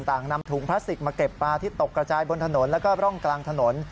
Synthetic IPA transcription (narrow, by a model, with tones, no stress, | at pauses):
nt̪aː˨˩ŋna˧mt̪ʰuː˩˦ŋpʰla˦˥st̪i˨˩k̚maː˧ke˨˩pːaː˧t̪ʰiː˥˩t̪o˨˩kːɾa˧t͡ɕaː˧jbo˧nt̪ʰa˧no˩˦nlɛː˦˥wkɔː˥˩ɾɔ˥˩ŋklaː˧ŋt̪ʰa˧no˩˦n